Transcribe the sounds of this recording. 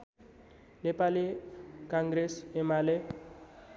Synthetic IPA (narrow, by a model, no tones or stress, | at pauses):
lepalekãŋɡɾesemale